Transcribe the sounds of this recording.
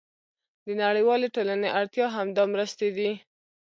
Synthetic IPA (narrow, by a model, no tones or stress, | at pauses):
d̪ənaɽəjwɑleʈolaneʔaɽt̪jɑɦamd̪ɑmɾəst̪ed̪i